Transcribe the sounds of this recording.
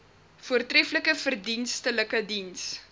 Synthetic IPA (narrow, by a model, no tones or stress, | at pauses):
fuərtrɛfləkəfərdinstələkədins